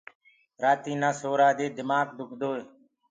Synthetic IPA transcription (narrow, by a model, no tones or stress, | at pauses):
ɾaːt̪iːnãːsoːɾaːd̪eːd̪ɪmaːkd̪ʊkʰd̪oːeː